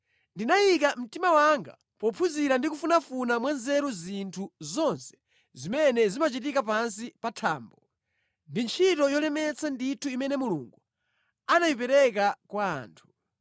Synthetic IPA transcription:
ndinajikam̩timawaŋɡa̰ | pɔpʰuziɾandikufunafunamwanzɛɾuzintʰuzɔnsɛ̥ | zimɛnɛzimat͡ʃit̬ikap̬ans̬ipatʰaːmbɔ | ndint͡ʃʰitɔjɔlɛmɛt͡sʰanditʰuimɛnɛmuluŋɡu | anajipɛɾɛk̬akwa̰ːntʰu̥

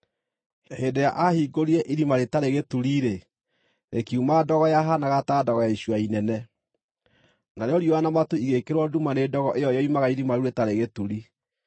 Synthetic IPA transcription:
hedeja̰ʔahiɡoɾiɛʔiɾimaɾetaɾeɣetuɾiːɾe | ɾekiumadɔɣɔjaɦanaɣataːdɔɣɔjaiɕwainɛnɛ | naɾeɔɾioanamatuiɣekeɾwɔdumanedɔɣɔʔejɔejɔimaɣaiɾimaɾuɾetaɾeɣetuɾi

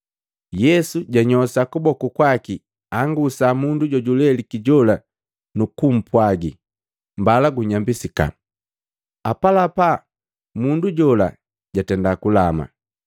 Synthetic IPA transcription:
jɛsuɟaɲɔsakubɔkukwaki | aŋɡusamunduɟɔɟulɛlikiɟɔla | nukum̩pwaɡi | mbalaɡuɲambisika̰ | apalapa | munduɟɔla̰ | ɟatɛndakulama̰

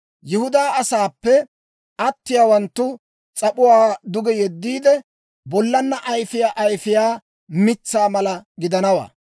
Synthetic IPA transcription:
jɪhʊd̪aːɐsaːpːɛ | ʔɐt̪ːɪjaːwɐnt̪ːʊ | t͡sʼɐpʊwaːd̪ʊɡɛjɛd̪ːiːd̪ɛ | bɔlːɐnːɐʔɐjfɪjaʔɐjfɪjaː | mɪt͡sːaːmɐlɐɡɪd̪ɐnɐwa̰ː

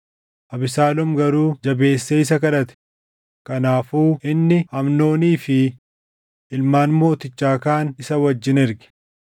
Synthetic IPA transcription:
ʔɐbɪsaːlɔmɡɐɾuːd͡ʒɐbe̞ːsːeɪs̬ɐkɐᶑɐt̪ɛ̥ | kɐnaːfuːɪnːɪhɐmno̞ːniːfɪ | ɪlmaːnmo̞ːt̪ɪt͡ʃːaːkaːnɪsɐwɐd͡ʒːɪnɪɾɡɪ̥

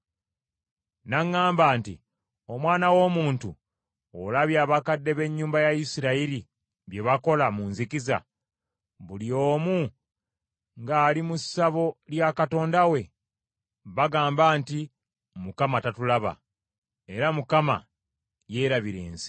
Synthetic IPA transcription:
naŋːaːmbaːnti | o̞mwaːnawo̞ːmuːntṵ | olaβjaːβakadːe̞βe̞ɲːuːmbajajisiɾaiɾi | βje̞βako̞lamunzikiza̰ | βulio̞ːmu | ŋɡaːlimusːaβo̞ljakato̞ːndawe̞ | βaɡaːmbaːnti | mukamatatulaβa̰ | e̞ɾamukama̰ | je̞ːɾaβiɾe̞̰ːnsi̥

